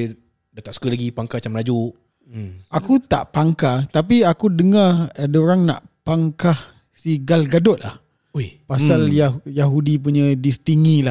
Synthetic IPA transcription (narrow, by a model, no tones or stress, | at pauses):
dat̪aʔsu̥kəlaɡipaŋkat͡ʃamənad͡ʒuʔ | akut̪a̰ʔpaŋkat̪ap̬iakudəŋaadoɾaŋna̰ʔpaŋkah | siɡalɡadɔt̪̚la̰h | jpasaljajaɦudip̬uɲadisə̥t̪iŋĩla